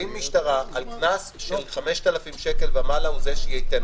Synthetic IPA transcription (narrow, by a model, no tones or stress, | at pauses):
immːiʃtaʁaʔalknasʃelχame̞ʃt̪alafimʃe̞ke̞lbamalauzeʃejejt̪an